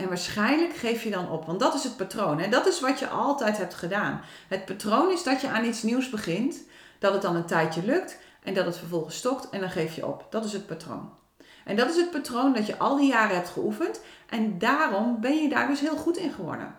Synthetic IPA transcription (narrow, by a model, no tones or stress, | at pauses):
ʔɛnʋaːɹsχɛjnləkχejfjədɔnɔpʋɑntdɔtɪsɦət̚patrownɦɛdɔtɪsʋɔtjə̰ʔɔlˠtɛjtɦɛp̚tχədaːnɦət̚patrownɪsdɔtjəʔaːnitsniwsbəχɪnt | d̥ɔtət̚dɔnəntɛjtjəlɵk̚t | ʔɛndɔtətfəɹfɔlˠχənsːtɔktɛndɔnχejfjə̰ʔɔ̰pd̥ɔtɪsət̚patro̰wn | ʔɛndɔtɪsɦət̚patrowndɔtjəʔɔlˠdijaːrəɦɛp̚tχəufənt | ʔɛndaːrɔmbɛnjəda̰ːɹdʏsɦɪːlˠχutɪnχəʋɔ̰nə̰